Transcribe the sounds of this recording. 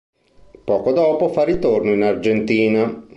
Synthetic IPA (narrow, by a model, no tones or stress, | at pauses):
pɔːkod̪ɔːpofarit̪ornoinard͡ʒent̪iːna